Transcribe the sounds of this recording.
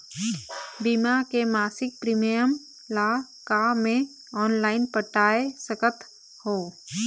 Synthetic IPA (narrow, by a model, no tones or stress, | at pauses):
bɪmakemaːsɪk̚pɾiːmijəm | la | kamẽ | ɔːnlaːɪnpəʈaːesəkət̪ | hoː